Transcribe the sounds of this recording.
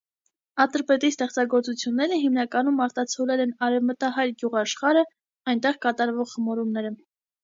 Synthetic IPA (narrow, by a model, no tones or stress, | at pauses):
ɑt̪əɾpɛt̪ist̪ɛχt͡sɑɡɔɾt͡sut͡sʰjunːɛɾəɦimnɑkɑnumːɑɾt̪ɑt͡sʰɔlɛlɛnɑɾɛvmət̪ɑɦɑjɾɡjuʁɑʃχɑɾə | ɑjnt̪ɛʁkɑt̪ɑɾvɔʁχəmɔɾumnɛɾə